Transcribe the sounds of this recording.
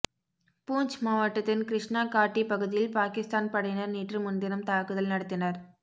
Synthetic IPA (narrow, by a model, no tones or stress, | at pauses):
puːɲt͡ʃmaːʋɐʈːɐt̪ːɪnkɾɪʂɳaːkaːʈːipɐɣɯðɪjɪlpaːkɪst̪aːnpɐɽɐjnɐɾniːʈrɯmʊnd̪ɪɾɐmt̪aːkɯðɐlnɐɽɐt̪ːɪnɐɾ